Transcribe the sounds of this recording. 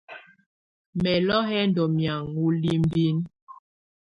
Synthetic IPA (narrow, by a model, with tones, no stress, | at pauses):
mɛ˨lɔ˦hɛ˦n˦dɔ˨mja˨ŋu˦li˦m˦bi˦n